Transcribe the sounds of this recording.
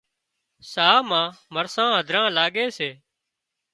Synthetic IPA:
saːmãːməɾsãːɦəd̪ʱɾãːlaːɠeːseː

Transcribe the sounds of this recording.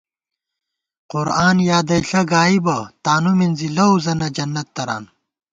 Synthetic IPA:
qʊɾaːnjaːd̪ɐjɬɐɡaːibɐt̪aːnuminzilɐuzɐnɐd͡ʑɐnːɐt̪ːɐɾa̰ːn

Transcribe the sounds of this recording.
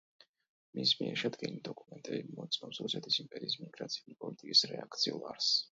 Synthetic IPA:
mismiɛɾʃɛd̪ɡɛnid̪ɔkʼumɛnt̪ʼɛbimɔt̪sʼnɔpsɾusɛt̪ʰisimpʼɛɾiːsmiɡɾat̪sʰiulipʼɔlit̪ʼikʼisɾɛakʰt̪sʰiulˠaɾs

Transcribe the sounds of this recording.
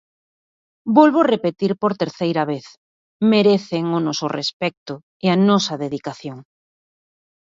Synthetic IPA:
bolβorepet̪iɾpoɾt̪eɾθejɾɐβeθ | meɾeθeŋʊnɔsʊrḛspɛk̚t̪ʊ | ɪɐnɔsɐðeðikaθjoŋ

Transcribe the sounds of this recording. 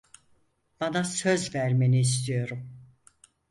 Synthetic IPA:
b̥anasøzvæɾme̞niːs̬t̪ʰijo̞ɾum

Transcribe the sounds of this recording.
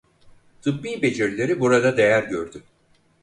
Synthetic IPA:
t̪ʰɯpːiːbe̞d͡ʒeɾlʲe̞ɾibuɾad̪ad̪e̞jæɾɟøɾd̪y

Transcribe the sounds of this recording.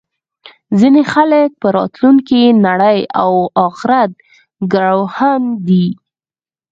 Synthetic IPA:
zinexalək̚pəɾɑ̰t̪luŋkinaɽəja̰wɑxɪɾat̪̚ | ɡaɽawhand̪i

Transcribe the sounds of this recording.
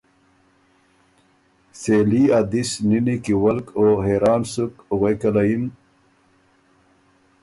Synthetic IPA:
seliad̪isninikiwɐlkoɦeːɾɑːnsukuɣekalajim

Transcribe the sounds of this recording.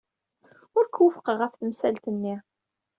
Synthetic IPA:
ʊɾkwəfə̥qʁəfθmsælt̪ənːi

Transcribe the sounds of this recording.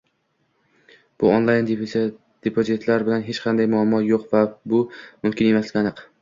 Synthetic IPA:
b̥ʊonlˠajn | d̪̥epʰozit̪ʰlaɾbɪlanɦet͡ʃqʰɑnd̪ajmʊamːɒjoqvabʊmʊmkʲɪne̞maslɪɡʲanɨq

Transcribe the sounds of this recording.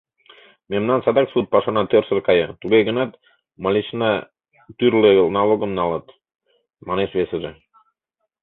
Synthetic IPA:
mʲemnɑnsɑd̪ɑksut̪̚pɑʃɑnɑt̪øɾsə̆rkɑjɤt̪uɡejɡə̆nɑt̪ | mɑlʲit͡ɕnɑ | t̪yɾlʲenɑlˠoɡəmnɑlɤt̪ | mɑneʃβʲeseʒe

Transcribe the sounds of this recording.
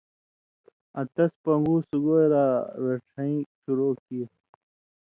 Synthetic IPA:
ɐt̪ɐspɐŋɡuːsuɡoːjɾaːweʈʰɐĩːɕuɾoːkie

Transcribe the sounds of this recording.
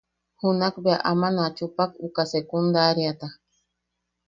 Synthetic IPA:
hunakbeaʔamanat͡ʃupakukasekund̪aɾjat̪a

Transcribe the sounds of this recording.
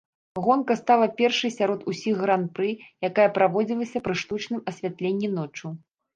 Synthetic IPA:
ɣɔnkɐst̪alˠɐpʲɛrʂɨjsʲaɾɔt̪usʲiɣːɾanpɾɨjakajɐpɾavɔd͡zʲilˠɐsʲɐpɾɨʂt̪ut͡ʂnɨmɐsʲvʲat̪lʲenʲːin̪ɔt͡ʂu

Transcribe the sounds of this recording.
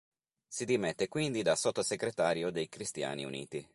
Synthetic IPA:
sid̪imɛt̪ːekwind̪id̪asot̪ːoseɡɾet̪aːɾjod̪ejkɾist̪ja̰ːnḭṵnḭːt̪i

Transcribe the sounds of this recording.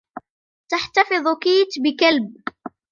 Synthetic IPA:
t̪aħt̪ɑfɨðˤkiːt̪bɪkalb̚

